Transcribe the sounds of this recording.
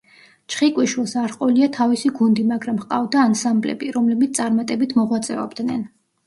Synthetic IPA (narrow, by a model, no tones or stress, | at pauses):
t͡ʃʰχikʼwiʃwilˠsaɾqʼɔliat̪ʰavisiɡund̪imaɡɾamχqʼavd̪aːnsamblɛ̰biɾɔmlɛbit̪st̪ʼaɾmat̪ʼɛbit̪ʰmɔʁwat̪sʼɛɔ̰bd̪nɛn